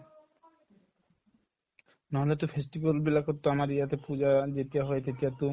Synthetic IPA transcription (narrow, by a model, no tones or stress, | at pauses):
naɦolet̪ofʰesʈibolbilakot̪ːoamaɾijat̪epud͡ʑad͡ʑet̪ijaɦɔet̪et̪iat̪u